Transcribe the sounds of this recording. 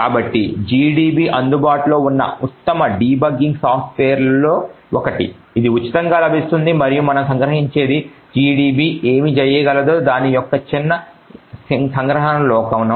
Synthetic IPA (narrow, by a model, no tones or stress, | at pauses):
kaːbɐʈːid͡ʒiːɖiːbiːʔɐnd̪ubaːʈilo̞ːunːɐ̰ut̪ːɐmɐɖiːbɐɡːiŋɡsaːpʰʈʋeːɐɾlo̞ː | ɔkɐʈḭ | id̪iut͡ʃːi̥t̪ɐŋɡaːlɐbʱist̪und̪imɐɾijumɐnɐmsɐŋɡɾɐɦiɲt͡ʃe̞ːd̪i | d͡ʒiːɖiːbiːʔeːmid͡ʒɛjɐɡɐlɐd̪oːd̪aːnijɔkːɐt͡ʃinːɐ | ssɐŋɡɾɐɦɐnɐmlɔːkɐunːɐ